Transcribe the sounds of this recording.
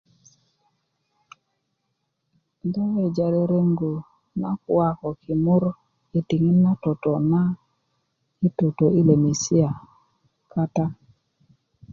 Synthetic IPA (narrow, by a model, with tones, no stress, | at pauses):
dɔ˦we˨d͡ʒa˨ɾe˦ɾe˦ŋɡo˨ | na˦kwa˦˨kɔ˨ki˨mʊ˦ɾ | i˨ti˨ŋi˦nna˦to˨tɔ˨na˦ | i˦to˨to˨i˦le˨mi˨si˦a˨ | ka˦ta˦